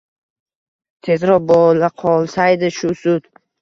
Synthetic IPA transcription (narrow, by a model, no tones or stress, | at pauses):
t̪ʰe̞zɾɒbɔlaqʰɒlˠsajd̪ɪʃʊsʊd̪̥